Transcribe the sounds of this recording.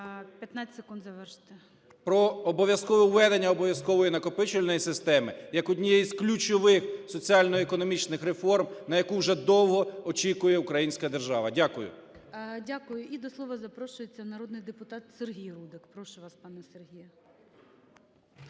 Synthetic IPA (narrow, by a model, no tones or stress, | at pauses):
pʲjɐt̪nat͡sʲsekund̪zɐʋɛrʃt̪ɛ | pɾɔːbɔʋʲjɐskɔʋɛwʋɛd̪enʲːɐɔbɔʋʲjɐskɔʋɔjinɐkɔpɪt͡ʃʊlʲnɔjisɪst̪ɛmɪjɐkɔdʲnʲijɛjizklʲut͡ʃɔʋɪxsɔt͡sʲiɑlʲnɔekɔnɔmʲit͡ʃnɪxɾefɔrmnɐjɐkuwʒɛd̪ɔwɦɔɔt͡ʃʲikʊjɛʊkɾɐjinʲsʲkɐd̪erʒɑʋɐdʲakʊjʊ̰dʲakʊjʊʔid̪ɔslˠɔʋɐzɐpɾɔʃʊjet͡sʲːɐnɐɾɔd̪nɪjd̪epʊt̪ɑt̪serɦʲijrud̪ɪkpɾɔʃʊʋɑspɑnɛserɦʲijɐ